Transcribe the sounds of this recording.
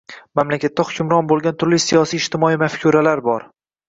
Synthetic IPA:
mamlakʲʰat̪ːaχʊkʰʲʊmɾɒnbolˠɡʲant̪ʰʊɾlɪsijɒsijːʃt̪ɪmɒimafkʲʰuɾalaɾbɒɾ

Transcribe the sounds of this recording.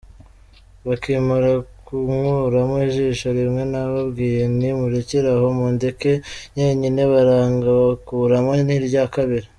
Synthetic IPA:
βakiːmaɾakuŋuɾamiʒiʃoɾimŋe̞naβabɡiːje̞nimuɾeciɾaho̞mundeke̞ɲeɲine̞βaɾaːŋɡaβakuːɾamoniɾɟakaβiɾa

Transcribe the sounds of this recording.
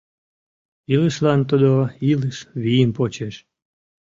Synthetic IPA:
iləʃlɑnt̪ud̪oiləʃβijəmpot͡ɕeʃ

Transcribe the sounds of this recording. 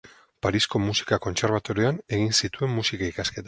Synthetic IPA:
paɾisko̞musi̥kako̞nt͡se̞ɾβ̞at̪o̞ɾeane̞ɣ̞insit̪ue̞mːusikaikaske̞t̪a

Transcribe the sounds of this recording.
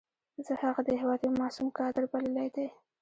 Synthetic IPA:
zəhaɣad̪əhɪwɑd̪jomɑsumkɑd̪ɪɾbaləlajd̪aj

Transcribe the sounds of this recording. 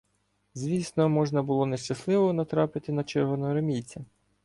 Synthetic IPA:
zʲʋʲisnɔmɔʒnɐbʊlˠɔneʃt͡ʃɐslˠɪʋɔnɐt̪ɾɑpɪt̪ɪnɐt͡ʃɛɾʋɔnɔɾemʲijt͡sʲɐ

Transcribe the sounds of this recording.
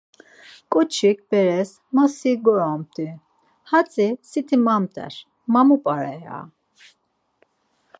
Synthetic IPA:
kʼɔt͡ʃʰik̚ʰb̥ɛɾɛs | masiɡɔɾamt̪ʰʼi | hat͡sʼisit̪ʰimamt̪ʼɛ̰ɾ | mamupʼaɾɛa̰

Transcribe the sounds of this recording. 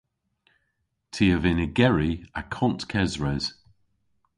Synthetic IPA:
tʰiəvɪnɪɡɛɹiakʰɔ̃ntkʰɛzɹɛz̥

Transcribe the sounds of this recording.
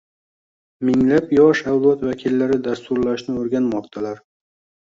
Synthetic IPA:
mɪŋlapjɒʃawlˠɒt̪vakʲʰilːaɾɪd̪ast̪ʊɾlaʃnɪoɾɡʲanmɒqt̪ʰalaɾ

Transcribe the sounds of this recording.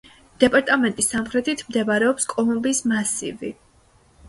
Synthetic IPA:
d̪̥ɛpʼaɾt̪ʼamɛnt̪ʼisːamχɾɛt̪ʰit̪ʰmd̪ɛbaɾɛɔpskʼɔlˠumbismasḭvi

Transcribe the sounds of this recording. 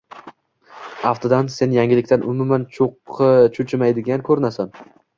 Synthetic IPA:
aft̪ʰad̪anse̞njaŋʲɪlɪkʲt̪anʔʊmʊmant͡ʃʰoqʰːɨt͡ʃʰʊt͡ʃʰɪmajd̪ɪɡʲankʰɵɾɪnasan

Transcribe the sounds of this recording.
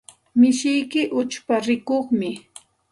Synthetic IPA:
mɪʃɪjkɪʔʊt͡ʃpaɾɪkoχmɪ

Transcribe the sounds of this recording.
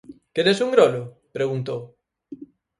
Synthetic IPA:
keɾesuŋɡɾolʊ | pɾeɣunt̪ow

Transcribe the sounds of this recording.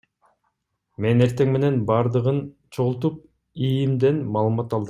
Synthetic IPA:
me̞ne̞ɾt̪e̞ŋme̞ne̞nbɑɾd̪ɯʁɯn | t͡ʃʰoʁlˠt̪up̚ | ijimd̪enmɑːlˠɯmɑt̪ɑlˠd̪ɯm

